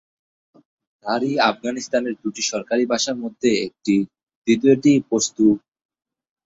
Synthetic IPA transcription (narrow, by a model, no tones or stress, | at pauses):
naɾiafɡanist̪aneɾd̪uʈiʃɔɾkaɾibʱaʃaɾmod̪ʱːeek̚ʈi | d̪it̪ioʈipost̪u